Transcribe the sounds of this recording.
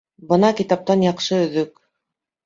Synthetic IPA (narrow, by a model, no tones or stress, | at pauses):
bɤnɑkit̪ɑp̚t̪ɑnjɑqʃɤɵ̆ðɵk